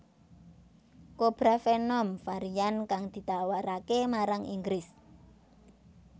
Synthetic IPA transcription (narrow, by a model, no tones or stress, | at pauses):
kob̥ɾafenɔmfaɾiankaŋd̪̥i̤t̪awaɾakemaɾaŋḭŋɡɾɪs